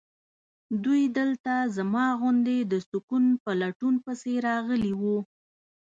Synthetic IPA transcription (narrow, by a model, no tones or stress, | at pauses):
d̪ujd̪əlt̪azamɑɣʊnd̪ed̪əsʊkunpəlaʈunpəseɾɑɣəliwu